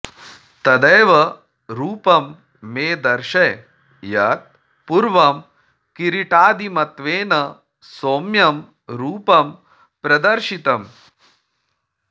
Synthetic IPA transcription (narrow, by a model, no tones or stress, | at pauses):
t̪ɐd̪ɐjʋɐ | ɾuːpɐmː | eːd̪ɐɾʃɐj | jɐt̪̚ | puɾʋɐm | kiɾiʈaːd̪imɐt̪ʋeːnɐ | soːmjɐm | ɾuːpɐm | pɾɐd̪ɐɾʃit̪ɐm